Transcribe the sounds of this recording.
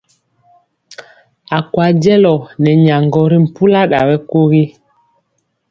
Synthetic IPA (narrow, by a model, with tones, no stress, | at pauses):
a˨kwa˨d͡ʒɛ˦lɔ˨nɛ˨ɲa˨ŋɡɔ˨ɾi˦m̩˨pu˦la˦ɗa˨wɛ˦ko˦ɣi˦